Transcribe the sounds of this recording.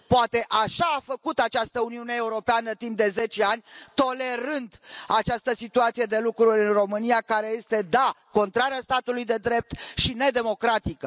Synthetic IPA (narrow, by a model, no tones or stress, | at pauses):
poat̪e̞ʔaʃaːfəkut̪at͡ʃast̪əuniune̞euɾo̞peanət̪impd̪e̞ze̞t͡ʃe̞anʲt̪o̞le̞ɾɨnd̪at͡ʃast̪əsit̪uat̪sijed̪e̞lukɾulʲɨnro̞mɨnijakaɾe̞je̞st̪e̞d̪ako̞nt̪ɾaɾeast̪at̪ulujd̪e̞d̪ɾe̞p̚t̪ʃine̞d̪e̞mo̞kɾat̪ikə